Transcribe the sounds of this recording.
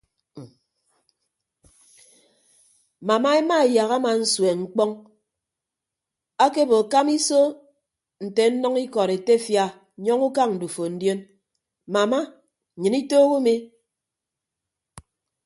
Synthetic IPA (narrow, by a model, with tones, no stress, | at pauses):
ma˨ma˦e˦ma˦e˨ja˨ɣa˦ma˨n̩˦swe˨ŋ͡m̩˦k͡pɔ˦ŋ | a˦ke˦bo˨ka˦mi˦so˦ | n̩˨te˨n̩˦nɔ˦ŋi˦kɔ˨ɾe˨te˦fja˦˨ | ɲɔ˦ŋu˦ka˦ŋn̩˨du˨fo˨n̩˦djo˦n | ma˨ma˦˨ | ɲɨ˨ni˦toː˦ɣu˦mi˦